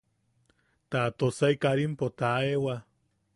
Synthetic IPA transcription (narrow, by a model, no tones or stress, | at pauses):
t̪at̪osaikaɾimpot̪aewa